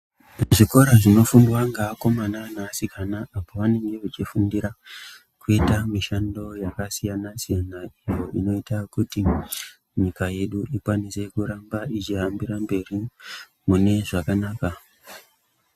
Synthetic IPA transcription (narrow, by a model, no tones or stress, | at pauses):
ʐiko̞ɾaʐino̞fundwaŋɡaːko̞mananaːsikʰanaapoʋane̞ŋɡe̞ʋut͡ʃifundiɾa | kuitamiʃando̞jakasijanasijanaijo̞ino̞itakuti | ɲikaje̞ɗuʔikwanise̞kuɾambait͡ʃiɦambiɾambe̞ri | mune̞ʐakanaːka